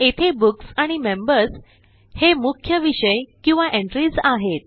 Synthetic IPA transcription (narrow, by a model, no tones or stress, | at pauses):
et̪ʰebuksaɽ̃imembəɾs | hemukʰjəʋiɕəjkĩw̃ʋaʔẽɳʈɾid͡zaɦet̪̚